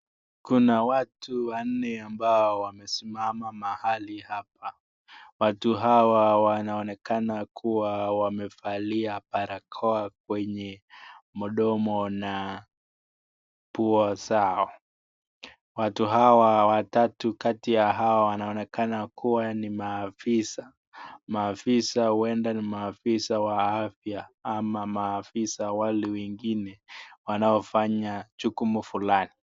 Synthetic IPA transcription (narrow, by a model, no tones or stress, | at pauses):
kunawatuwan̩nɛambaɔwamɛsimamamahalihap̚a | watuɦawawanaɔnɛkanakʰuwawamɛfaliapaɾakʰɔak̚wɛɲɛmɔɗɔmɔna | puɔzaɔ | watuɦawawatatukatijaɦawawanaɔnɛkanakʰuwanimaːfisa | maːfisahuwɛndanimaːfisawaafjaamamaːfisawalɛwɛŋɡinɛwanaɔfaɲat͡ʃukumufulani